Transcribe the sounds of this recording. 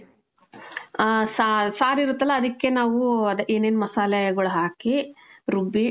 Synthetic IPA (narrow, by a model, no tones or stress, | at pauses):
sasaːɾiɾut̪ːɐlːɐːd̪ɐkːenaːʋuɐd̪ɐʔeːneːnmɐsaːlɐɡɐɭuɦaːkiɾubi